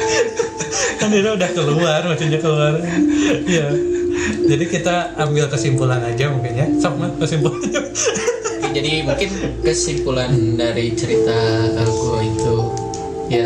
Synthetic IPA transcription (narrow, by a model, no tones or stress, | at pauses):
aniɾaudahkəluarmat͡ʃuɲakəluaɾaija | d͡ʒadikit̪aambɪlkəsimpulanad͡ʒamukaɲasapmakəsimpulaa | d͡ʒadimuŋkɪnkəsimpulandaɾit͡ʃəɾit̪akakuit̪u | ja